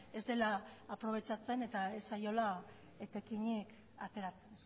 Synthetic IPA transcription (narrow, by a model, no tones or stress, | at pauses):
e̞zd̪e̞laːpɾo̞β̞e̞t͡sat͡se̞ne̞t̪aesːajo̞la | et̪ekiɲek | at̪e̞ɾat͡senes